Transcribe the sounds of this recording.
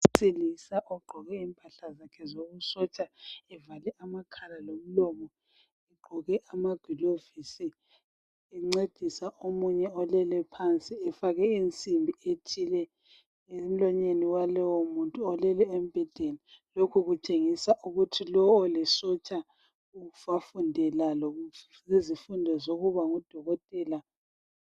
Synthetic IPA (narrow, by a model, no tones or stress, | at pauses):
sʼilisaʔɔɡ͡ǃʱɔɣɛimpʼaɬazakʰɛzoɣusɔt͡ʃʼaɛvalɛamakʰalalom̩lɔmɔ | iɡ͡ǃʱɔɣɛʔamaɡ̥ʱwilovisi | ɛŋ͡ǀed̥ʱisaʔomuɲɛɔlɛlɛpʰant͡sʼiɛfaɣɛint͡sʼimbʱietʰilɛ | em̩lɔɲeniwalɔwɔmuntʼuɔlɛlɛem̩b̥ʱɛd̥ʱenilokʰuɣut͡ʃʼeŋisaʔuɣutʰilɔːlɛsɔt͡ʃʼa | uɣufafundʱɛlalo | izifundʱɔzoɣuβaŋud̥ʱɔɣɔtʼɛːla